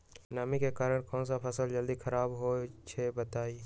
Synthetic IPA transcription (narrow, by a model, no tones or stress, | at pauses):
namikekaːɾəɽ̃kɔ̃ːnsapʰɐsəld͡ʒəld̪ikʰɐɾaːbɦot͡ʃʰebɐt̪aːi